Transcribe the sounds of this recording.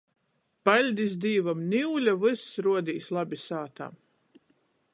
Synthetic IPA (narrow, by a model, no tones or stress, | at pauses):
palʲd̪isd̪iːvamniwlʲavɨsːɾuɔd̪iːslˠabʲisaːt̪a̰m